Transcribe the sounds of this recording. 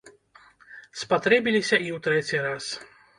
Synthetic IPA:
spat̪ɾɛbʲilʲisʲɐʔiwt̪ɾɛt͡sʲiɾas

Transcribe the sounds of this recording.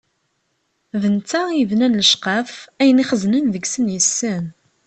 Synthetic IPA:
ðənt͡sːæiəvnænləʃqɑfæjəniχəznənðəɡsənjəsːən

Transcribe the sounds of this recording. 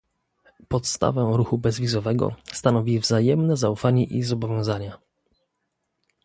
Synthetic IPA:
pɔt̪st̪a̰vɛɾuxubɛzvʲizɔvɛɡɔ̰st̪anɔvʲivzajɛmnɛzaufaɲɛʔizɔbɔvʲjɔ̃w̃zaɲa

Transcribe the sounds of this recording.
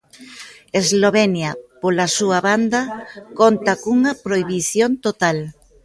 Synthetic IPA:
ezloβɛnjɐpolasuaβand̪ɐkont̪ɐkuŋɐpɾoiβiθjont̪ot̪al

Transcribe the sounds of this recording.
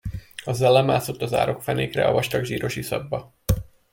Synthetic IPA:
ɒzɛlːɛmaːsot̪ːɒza̰ːɾo̞kfɛneːkrɛ̰ɒ̰vɒʃt̪ɒɡʒiːɾo̞ʃisɒ̰bːɒ

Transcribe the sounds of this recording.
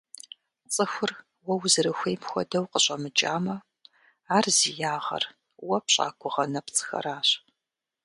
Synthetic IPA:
t͡sʼɨxʷʊr | wɐwzɨɾɨxʷejmxʷɔ̰dɐwqəɕʼɐmɨt͡ʃʼaːmɐ | aːrzijaːʁɐ̰r | wɐpɕʼa̰ːɡʷʊʁɐnɐpt͡sʼɨ̥xɐ̰ɾaːɕ

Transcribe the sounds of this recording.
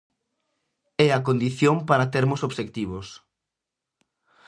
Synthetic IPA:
ɛɐkond̪iθjoŋpaɾat̪eɾmʊsoβʃek̚t̪iβ̞os

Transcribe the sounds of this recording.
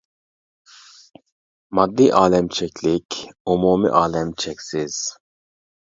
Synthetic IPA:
mɑd̪ːiːʔaːlɛmt͡ʃʰɛkʲlikumuːmḭʔaːlɛmt͡ʃʰɛksiz̥

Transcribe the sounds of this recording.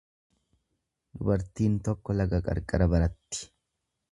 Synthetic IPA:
d̪ʊbɐɾt̪iːnt̪ɔkːɔlɐɡɐkʼɐ̰ɾkʼːɐɾɐbɐɾɐt̪ːɪ̥

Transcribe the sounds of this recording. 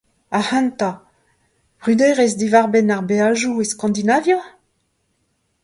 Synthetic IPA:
ahãnt̪a | b̥ʁyd̪ɛjʁɛsd̪ivaʁbɛnaʁbeaʒueskɑ̃nd̪inavjo

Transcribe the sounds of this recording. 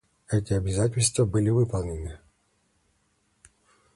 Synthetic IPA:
ɛtʲɪɐbʲɪzat̬ʲɪlʲst̪vəbɨlʲɪvɨpɐlˠnʲɪnɨ

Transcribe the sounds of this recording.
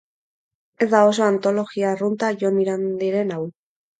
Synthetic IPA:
e̞zd̪ao̞s̬o̞ant̪o̞lo̞ɣiarunt̪aʝo̞niɾand̪iɾe̞naw

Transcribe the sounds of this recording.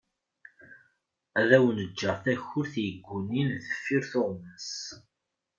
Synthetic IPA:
æðæwnəd͡ʒːəʁθæçːʊɾθjəɡʷːuninðəfːiɾθoʁməs

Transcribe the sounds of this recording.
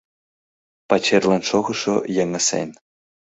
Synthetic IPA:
pat͡ɕerʲlˠɑnʂoɣɤ̆ʂojĕŋɘ̆sḛnʲ

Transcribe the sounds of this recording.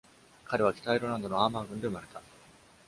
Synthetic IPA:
kaɾe̞β̞akʲi̥t̪aiɾo̞ɾand̪o̞noaːmaːɡɯ̟̃nd̪e̞ɯ̟maɾe̞t̪a

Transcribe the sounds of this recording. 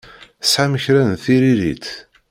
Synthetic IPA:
ə̥sʕaməçɾænθiɾiɾḭt̪

